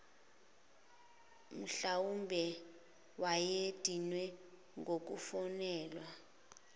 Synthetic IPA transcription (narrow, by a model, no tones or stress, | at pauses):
m̩ɬawumbʱɛ | wajed̥ʱinwɛ | ŋɡok̬ufɔnɛːlwa